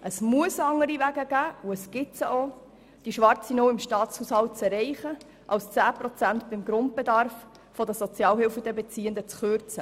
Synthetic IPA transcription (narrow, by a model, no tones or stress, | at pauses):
ʔəsmuəsɑŋːəɾivæɡəɡæːuəsɡ̥ɪtsəʔo | d̥iʃʋɑɾt͡sinoːɪmʃtɑːt͡shuːshɑlt̚t͡sɛrɛɪχə | ʔɑlst͡sæːpɾɔt͡sænt̪b̥ɪmɡɾʊntb̥ed̪ɑɾfː | ɔd̪əsɔt͡sjɑːlhɪlfəd̥̪ɛbɛt͡siːənd̪ət͡sχøɾt͡sə